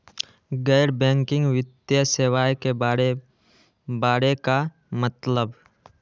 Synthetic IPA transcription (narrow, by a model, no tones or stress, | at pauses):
ɡɛːɾbɛ̃ːŋkɪ̃ŋɡʋɪt̪jəseːwaːjke | baːɾeka | mət̪ləb